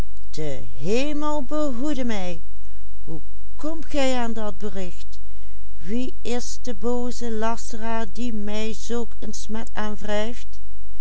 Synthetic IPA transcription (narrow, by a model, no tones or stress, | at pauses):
d̥ə | ɦeːməlˠbəɦudəmɛj | ɦu | kɔmtɣɛjaːndɑd̚bərɪxt | ʋi | ɪsdəboːzəlɑsəraːɹdimɛjzoːkənsmɛtaːnvrɛjft